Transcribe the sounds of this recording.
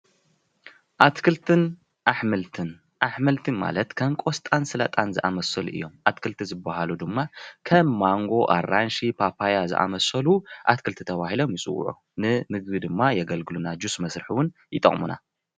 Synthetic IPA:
ʔat̪kʰɨlt̪ʰɨn | ʔaħmɨlt̪ʰɨn | ʔaħmɨlt̪ʰɨnma̰lɐt̪kʰɐmkʼo̞st̪ʼansɨlɐ̰t̪ʼanzɨʔamɐsɐlʔɨ̰jːo̞mʔat̪kʰɨlt̪ʰizɨbːahalud̪ɨmːakʰɐmːaŋɡo̞ʔa̰ranʃipʰapʰajazɨ̰ʔa̰mɐsɐluʔat̪kʰɨlt̪ʰit̪ʰɐβahilo̞mjɪsʼɨ̰w̰ʕṵ | nɨmɨɡβid̪ɨmːajɛɡɐlɡɨlunad͡ʒusmɐsɾɨħiwʊnjɨt̪ʼːɐχʼmuna̰

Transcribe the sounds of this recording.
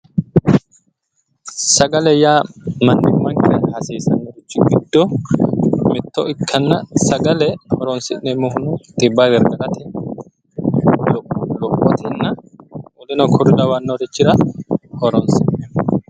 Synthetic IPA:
sɐɡɐlɛjaːmɐnːɪmːɐŋkɪɾɐnhɐsiːsɐnːɔɾɪt͡ʃːɪɡɪd̪ːɔ | mɪt̪ːɔɪkʰːɐnːɐsɐɡɐlɛhɔɾɔnsɪʔnɛmɔhʊnʊt̪ʼɪbːaɡɛɾɡɐɡɐt̪ɛ | lɔlɔpːɔt̪ɛnːɐwɔlɪnɔkʰɔɾʊd̪ɐwɐnːɔɾɪt͡ʃːɪɾɐhɔɾɔnsɪʔnɛ

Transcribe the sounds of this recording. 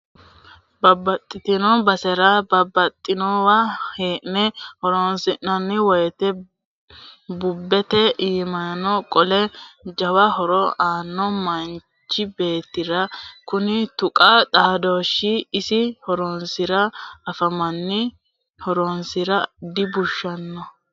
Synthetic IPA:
bɐbːɐt̪ʼːɪt̪ɪnɔbɐsɛɾɐbɐbːɐt̪ʼːɪnɔwaheːʔnɛhɔɾɔnsɪʔɐnːɪwɔjt̪ɛ | bʊbːɛt̪ɛʔiːmɐɐnɔkʼɔlɛd͡ʒɐwɐhɔɾɔaːnːɔmɐn | t͡ʃːɪbe̞ːt̪ːɪɾɐkʊnɪt̪ʊkʼɐt̪ʼaːd̪oːʃɪːsɪhɔɾɔnsɪɾɐɐfɐmɐnːɪ | hɔɾɔnsɪɾɐd̪ɪbʊʃːɐnːɔ

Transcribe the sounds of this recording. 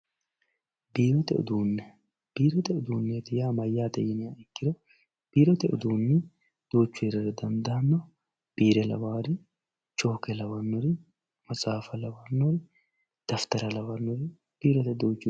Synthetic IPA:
biːɾɔt̪ɛʊ̰d̪uːnːɛ | b̥iːɾɔt̪ɛʊd̪uːnːɛt̪ɪjaːmɐjːaːd̪ɐjɪnɪjaːɪkːɪd̪ɔ | b̥iːɾɔt̪ɛʊ̰d̪uːnːɛ | d̪̥oːt͡ʃːʊɛɾɐɾɛd̪ɐnd̪ɐɐnːɔ | b̥iːɾɛlɐ̰waːɾɪ | t͡ʃʼo̞ːkɛlɐwɐnːɔɾɪ | mɐt͡sʼaːfɐlɐwanːɔɾɪ | d̪̥ɐft̪ɐɾɐlɐwɐnːɔɾɪ | b̥iːɾɔt̪ɛd̪oːt͡ʃːʊ

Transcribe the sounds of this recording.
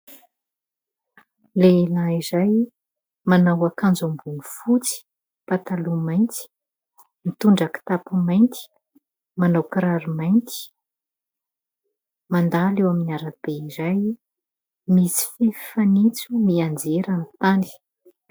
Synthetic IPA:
lelaizaj | manawakand͡zumbunufut͡si̥ | pat̪alumajnt̪i̥ | mit̪uɳɖ͡ʐaki̥t̪apumajnt̪i̥ | manawkɾaɾimajnt̪i̥ | mand̪alewaminaɾab̥eizaj | misi̥fifanit͡sumiand͡zeɾamit̪ani̥

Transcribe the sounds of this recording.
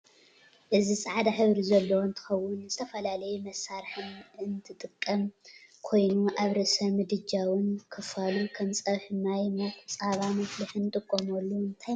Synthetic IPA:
ʔɨzisʼaʕd̪aħɨβɾizɐlːowont̪ʰɨ̥xɐwːʊnzɨt̪ʰɐfɐlalɐjumɐsːaɾħɨnɨnt̪ʰɨt̪ʼɨkʼːɐmkʰo̞jnuʔaβɾɐsɐmɨd̪ɨd͡ʒawɨnkʰɨfalukʰɐmsʼɐβħɨmajmokʼt͡sʼaβamɐflɨħɨnt̪ʼɨkʼːomolːuɨnt̪ʰaj

